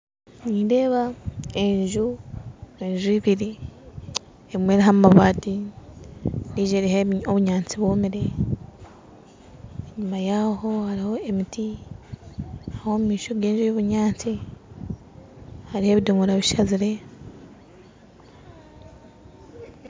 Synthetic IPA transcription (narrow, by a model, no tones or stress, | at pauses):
niːnde̞ːβae̞ɲʒu | e̞ɲʒuiβiɾi | eβimwe̞ɾiɦammaβaːti | niːʒeɾiɦeoβuɲaːnt͡siβwoːmiɾe̞ | eɲumajaho̞haɾiho̞e̞miti | hahomumiːʃoɡe̞ːɲʒujoβuɲaːnt͡si | haɾihe̞ːβidomuɾaβiʃaziɾe̞